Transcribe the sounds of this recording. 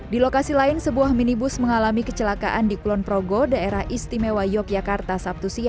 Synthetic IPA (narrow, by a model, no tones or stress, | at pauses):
dilokasilaɪnsəbuahminibʊsməŋalamikət͡ʃəlaka̰ʔandikulɔnpɾoɡodaeɾahʔist̪imewajɔk̚jakart̪asap̚t̪usia